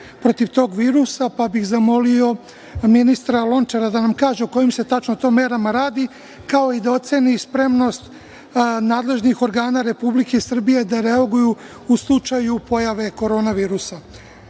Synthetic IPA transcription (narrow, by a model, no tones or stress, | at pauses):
pɾo̞t̪iʋt̪o̞ːɡʋiːɾusapabixzamo̞lio̞ | minist̪ɾalˠo̞nt͡ʃaɾad̪anamkaːʒeoko̞jimse̞t̪at͡ʃnot̪o̞ːmeɾamaɾaːd̪i | kao̞id̪ao̞t̪se̞nispɾe̞mno̞st̪ | naːd̪le̞ʒnixo̞ɾɡaːnaɾe̞publike̞sr̩bije̞d̪aɾe̞aɡuju | uslˠut͡ʃajupo̞jaʋe̞ko̞ɾo̞ːnaʋiːɾusa